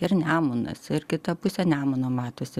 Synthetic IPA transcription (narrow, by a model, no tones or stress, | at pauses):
ɪrnʲæːmʊnɐ̰sɪrkʲɪt̪ɐpʊsʲɛnʲæːmʊːnɐmɑːt̪oːsʲɪ